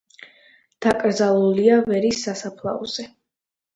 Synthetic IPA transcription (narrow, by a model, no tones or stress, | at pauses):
d̪̥akʼɾd̪zalˠuliavɛɾisːasapʰlˠa̰ɔz̥ɛ